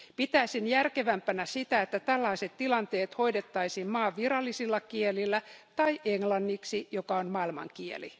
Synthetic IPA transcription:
pit̪æsinjærkeʋæmpænæsit̪æet̪ːæt̪ælːɑiset̪tilɑnt̪eːt̪ho̞idet̪ːɑisiːmmɑːʋʋirɑlːisilːɑkielilːæt̪ɑiʔeŋlɑnːiksijokɑonmɑilmɑ̰ŋkiḛlḭ

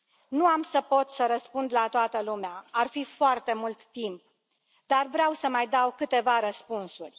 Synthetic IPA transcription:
nuamsəpo̞t̪səɾəspund̪lat̪oat̪əlumeaarfifoart̪e̞mult̪ːimp̚ | d̪arvɾeawsəmajd̪awkɨt̪e̞vaɾəspunsurʲ

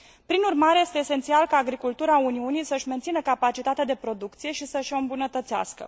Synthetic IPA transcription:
pɾinurmaɾe̞je̞st̪eːse̞nt̪sialkaːɡɾikult̪uɾauniunijsəɨʃʲme̞nt̪inəkapat͡ʃit̪at̪ed̪e̞pɾo̞d̪ukt̪sije̞ʃisəʃoɨmbunət̪ət̪sea̰skə̰

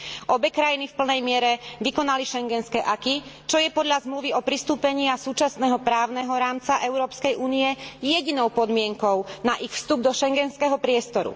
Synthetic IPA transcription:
ʔɔbɛkɾajinifpl̩nɛjmɪɛɾɛʋikɔnaliʃɛŋɡɛnskɛːʔakit͡ʃɔjɛpɔd̪ʎazmluʋiɔpɾist̪uːpɛɲɪasuːt͡ʃasnɛːɦɔpɾaːʊnɛɦɔɾaːmt͡saʔɛʊɾɔːpskɛjʔuːniɛjɛɟinɔʊpɔd̪mɪɛŋkɔʊnaʔixfst̪ub̚d̪ɔʃɛŋɡɛnskɛɦɔpɾɪɛst̪ɔɾṵ

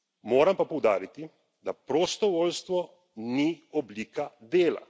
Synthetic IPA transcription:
moːɾampapowd̪a̰ːɾit̪i | d̪apɾost̪oʋoːʎʲst̪ʋo | nioblikad̪eːla̰

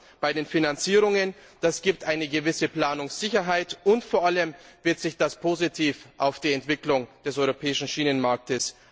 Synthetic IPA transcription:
b̥aɪdeːnfinant͡siːʁ̞ʊŋənd̥asɡ̥iːp̚tʔaɪnəɡəvɪsəpl̥aːnʊŋsz̥ɪçɐɦaɪtʊntfoːɐʔaləmvɪɐtz̥ɪçd̥aspʰoːzitʰiːfʔaʊfd̥iːɛntv̥ɪklʊŋd̥ɛsʔɔʏʁopʰɛːɪʃn̩ʃiːnənmaɐk̚təs

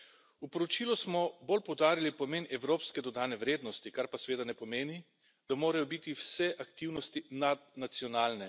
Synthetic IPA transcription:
upɔɾɔt͡ʃiːlusmɔbolpɔwd̪aːɾilipɔmeːnɛwɾoːpskɛd̪ɔd̪aːnɛʋɾeːd̪nɔst̪ikaɾpasɛʋeːd̪anɛpɔmeːni | d̪̥amoːɾajɔbit̪iwsɛʔakt̪iwnɔst̪inad̪nat̪siɔnaːlnɛ

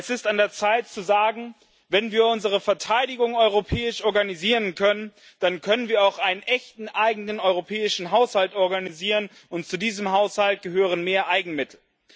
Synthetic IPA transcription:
ɛsɪstandeːɐt͡saɪtt͡suzaːɡŋ̩ | vɛnviːɐʊnzəʁ̞əfɛɐtʰaɪdɪɡʊŋɔʏʁopʰɛːɪʃʔɔɐɡaniziːʁənkʰœnən | d̥ankʰœnənviːɐaʊxʔaɪnənʔɛçtn̩ʔaɪɡŋ̩nənɔʏʁopʰɛːɪʃn̩ɦaʊshaltʔɔɐɡaniziːʁən | ʊntt͡sudiːzəmɦaʊshalt̚ɡ̥əɦøːʁ̞ənmeːɐʔaɪɡŋ̩mɪtʰl̩

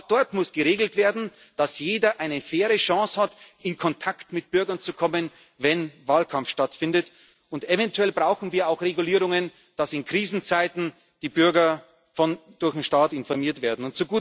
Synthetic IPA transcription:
xd̥ɔɐtmʊsɡ̥əʁeːɡl̩tv̥eːɐdn̩ | d̥asjeːdɐʔaɪnəfeːʁəʃɑ̃ːshatɪnkʰɔntʰaktmɪt̚b̥ʏɐɡɐnt͡sukʰɔmən | vɛnvaːlkʰamfʃtatfɪndət | ʊntɛvɛntʰuɛlbʁaʊxn̩viːɐaʊxʁeɡuliːʁʊŋən | d̥asɪnkʁ̥iːzn̩t͡saɪtn̩ | d̥iːbʏɐɡɐ | fɔnd̥ʊɐçnʃtaːtɪnfɔɐmiːɐtv̥eːɐdn̩ʊntt͡suɡuː

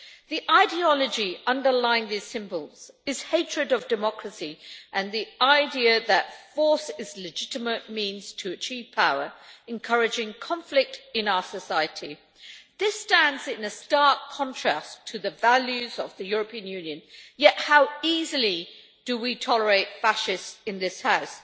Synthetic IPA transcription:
ðiʔaɪdiɑlˠəd͡ʒiʌ̃ndə˞lãɪɪ̃ŋðiz̥sɪ̃mbəlˠz̥ɨz̥heɪt͡ʃɹ̥ɨɾʌvdɨmɑkɹɨsiʔɨ̃nðiʔaɪdiəðətfɔɹsɪzlɨd͡ʒɪɾɨmət̚mĩnz̥tʰɨːt͡ʃʰiv̥pʰaʊə˞ɨ̃nkʰʌɹɨd͡ʒɪ̃ŋkʰɑ̃ɱflɪk̚tɨ̃naʊə˞səsaɪɨɾʰi | ðɪstæ̃ndzɪ̃nɨstɑɹkʰɑ̃ntʰɹ̥æ̰stʰɨðɨvælˠjʉzəvðɨjʊɹəpʰĩɨ̃njʉ̃njɨ̃njɛt̚haʊizl̩ˠi | d̥əwitʰɒlˠə˞eɪtfæʃɪstɨ̃nðɪshaʊs

